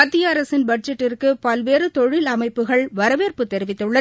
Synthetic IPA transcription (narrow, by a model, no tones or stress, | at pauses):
ɐt̪ːijaːɾɐsɪnbɐɖ̚d͡ʒɛʈːɪrkɯpɐlʋeːɾɯt̪ɔɻɪlɐmɐɪpːɯɣɐɭʋɐɾɐʋeːrpɯt̪ːɛɾɪʋɪt̪ːɯɭːɐ